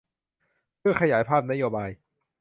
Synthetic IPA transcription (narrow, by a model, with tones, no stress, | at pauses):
pʰɯ˥˩əkʰa˧jaː˩˦jpʰaː˥˩p̚na˦˥joː˧baː˧j